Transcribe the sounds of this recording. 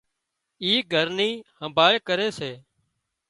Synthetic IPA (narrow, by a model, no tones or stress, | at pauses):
iːɡʱəɾniːhəmbʱaːɭkəɾeːseː